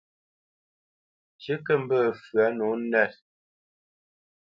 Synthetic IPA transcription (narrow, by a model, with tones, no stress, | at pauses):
t͡ʃə˦kə˦m̩˦bə˦˨fɰa˨˦nɔ˨˦nɛ˦˨t